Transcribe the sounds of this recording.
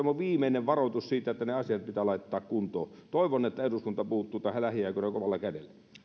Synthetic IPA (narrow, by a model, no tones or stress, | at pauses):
ɑmːoʋiːmeineʋʋɑrot̪ussiːt̪æet̪ːæneɑsiɑt̪̚pit̪ælɑˑit̪ːɑːkkunt̪o̰ːt̪oˑeʋonːet̪ːæeruskunt̪ɑpuhut̪ːuːt̪ɑˑhælæhiɑˑikonekoʋɑlːɑkædḛlːæ